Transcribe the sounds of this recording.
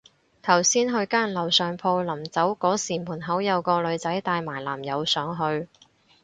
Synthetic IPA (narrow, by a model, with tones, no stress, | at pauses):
t̪ʰɐ˨˩wsiː˥nɦɵ˧ɥkaː˥nlɐ˨˩wsœː˨ŋpʰo˧wlɐ˨˩mt͡sɐ˨˥wkɔː˨˥siː˨˩muː˨˩nɦɐ˨˥wjɐ˨˧wkɔː˧lɵ˨˧ɥt͡sɐ˨˥jt̪aː˧jmaː˨˩jlaː˨˩mjɐ˨˧wsœː˨˧ŋɦɵ˧ɥ